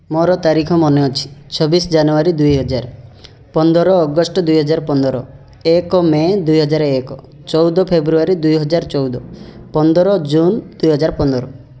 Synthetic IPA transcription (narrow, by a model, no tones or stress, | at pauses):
moɾɔt̪aɾikʰɔmɔneɔt͡ʃʰi̥t͡ʃʰɔbisɔd͡ʒanuaɾid̪ujɦɔd͡ʒaɾ | pɔnd̪ɔɾɔːɡɔsʈɔd̪ujɦɔd͡ʒaɾpɔnd̪ɔɾɔ | ekɔmed̪ujɦɔd͡ʒaɾekɔ | t͡ʃɔwd̪ɔpʰebɾuaɾid̪ujɦɔd͡ʒaɾt͡ʃɔwd̪ɔpɔnd̪ɔɾɔd͡ʒund̪ujɦɔd͡ʒaɾpɔnd̪ɔɾɔ